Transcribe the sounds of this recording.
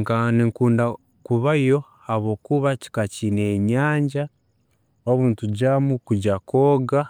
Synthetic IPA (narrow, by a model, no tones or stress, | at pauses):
ŋkaniŋkuːnda | kuβaijo̞ | aβo̞ːkuβaci̥kacineɲaːɲɟa | oβuːntuɟamukuɟakʰoːɡa